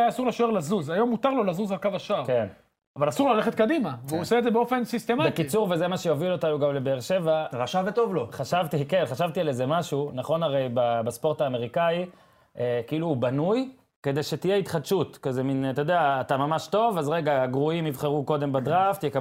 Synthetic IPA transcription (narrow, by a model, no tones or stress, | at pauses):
ajasuʁleʃoeʁlazuzajo̞mːut̪aʁlo̞lazuzalkavaʃaʁken | avalasuʁlaleχet̪̚kad̪imaveuoseːdzebeofensist̪emabekit͡suʁvezemaʃejovilo̞t̪anuɡamlebeːʁʃe̞vaʁaʃavet̪o̞vloχaʃavt̪ikenχaʃavt̪ialezemaʃunaχo̞naʁe̞jbabaspo̞ʁtaːme̞ʁikai | ʔekiiluːbanuj | ke̞d̪ejʃet̪ijeit̪χad̪ʃut̪kazemint̪od̪eaːt̪amamaʃto̞vazʁe̞ɡaɡʁuimitχeʁuko̞d̪e̞mbad̪ʁaft̪jek